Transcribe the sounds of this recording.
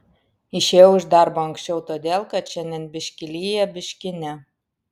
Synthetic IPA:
iʃewuʃd̪ɑrbɐəŋkʃʲt͡ɕowt̪od̪ʲelˠkɑt̪ʃɘ̆nʲd̪enbɘʃʲkʲilʲijæbʲɘʃkʲinʲæ

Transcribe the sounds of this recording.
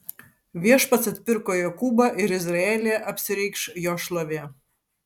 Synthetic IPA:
ʋʲiɛʃpɐt̪sɐt̪ʲpʲɪɾkoːjɛkuːbɐʔɪɾɪzɾɐɛːlʲeʔɐpʲsʲɪɾʲɛɪkʃjoːʃlˠɐʋʲe

